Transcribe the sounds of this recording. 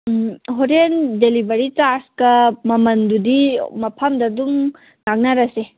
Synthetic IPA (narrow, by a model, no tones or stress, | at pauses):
ɦoɾendelibɐɾit͡ʃaɾskɐmɐmɐndudimɐpʰɐmdɐduŋ | ŋak̚nɐɾɐse